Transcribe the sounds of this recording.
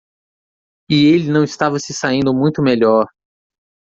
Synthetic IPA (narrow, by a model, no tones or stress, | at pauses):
ɪelɪnɐ̃w̃ist̪avɐsɪsaĩnd̪ʊmũj̃t̪ʊmeʎɔɾ